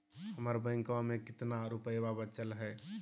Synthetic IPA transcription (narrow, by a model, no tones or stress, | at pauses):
həməɾbə̃ŋkãmekɪt̪naɾupəjbabət͡ʃəlɦɛ